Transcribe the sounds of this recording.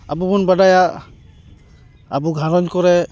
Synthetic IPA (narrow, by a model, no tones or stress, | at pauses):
a̰bubɔnbadaja | abuɡʱaɾɔnkɔɾɛ